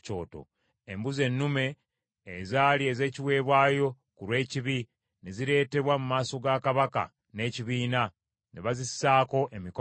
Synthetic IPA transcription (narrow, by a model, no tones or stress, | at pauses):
t͡ʃo̞̰ːto̰ | embuze̞nːume̞ː | zaːlieze̞ːciwe̞ːβwaːjo̞ | kuɾwe̞ːciβi | neziɾe̞ːte̞βwamumaːso̞ɡakaβaka̰ | ne̞ːciβiːna | neβazisaːko̞ʔe̞miko